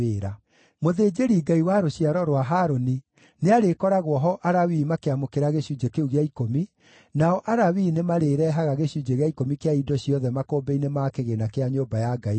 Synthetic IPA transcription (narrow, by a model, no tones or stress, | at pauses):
eːɾa | moðeːd͡ʒeɾiːɡaiwaɾoɕiaɾɔɾwaɦaːɾoni | neaɾekɔɾaɣwɔɦɔʔaɾawiːmakeamokeɾaɣeɕud͡ʒekeuɣeaikomi | naɔʔaɾawiːnemaɾeːɾɛɦaɣaɣeɕud͡ʒeɣeaikomikeaidɔɕiɔðɛmakoːbeinemakeɣenakeaɲoːbajaɡai